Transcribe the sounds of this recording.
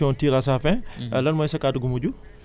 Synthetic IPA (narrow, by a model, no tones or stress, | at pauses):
ɔntiːɾas̬afɛ̃lɐnmɔjsɐkaduɡumuɟu